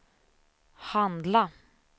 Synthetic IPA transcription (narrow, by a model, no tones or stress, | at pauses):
hand̪la